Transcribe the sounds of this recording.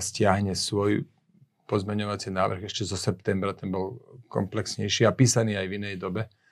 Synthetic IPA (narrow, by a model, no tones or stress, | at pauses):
scɪaɦɲɛsʋɔj | pɔzmɛɲɔʋat͡sinaːʋr̩ɣɛʃcɛzɔsɛp̚t̪ɛmbɾat̪ɛnbɔlkɔ̰mplɛksɲɛjʃiːapiːsaniːajvinɛjd̪ɔbɛ